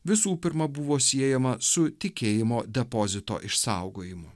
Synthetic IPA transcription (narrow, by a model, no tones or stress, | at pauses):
ʋʲɪsuːpʲɪɾmɐbʊʋoːsʲiɛjɛmɐsʊt̪ʲɪkʲeːjɪmoːd̪ʲɛpoːzʲɪt̪o̰ːʔɪʃsɑʊɡoːjɪmʊ